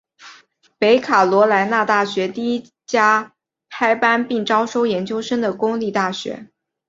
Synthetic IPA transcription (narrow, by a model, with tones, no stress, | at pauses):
pe˧˥ɪkʰa˨˩lwɔ˧˥la˧˥nna˥˧t̪a˥˩ɕɥɛ˧˥t̪i˥˩i˥ | t͡ɕja˥ | kʰa˥ɪpa˥npi˥˩ŋʈ͡ʂɑ˥ʊʂo˥ʊjɛ˧˥nt͡ɕjo˥ʊʂə˥ŋd̪ə˨kʊ˥ŋli˥˧t̪a˥˩ɕɥɛ̰˧˥